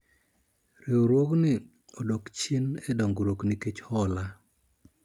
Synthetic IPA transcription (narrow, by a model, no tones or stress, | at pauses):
ɾioɾwoknɪ | odokt͡ʃenedɔŋɡɾokniket͡ʃhɔla